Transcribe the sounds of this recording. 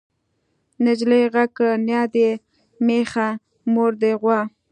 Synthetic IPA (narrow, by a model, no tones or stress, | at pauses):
nɪd͡ʒlejɣakənjɑd̪e | mexa | moɾd̪eɣwɑ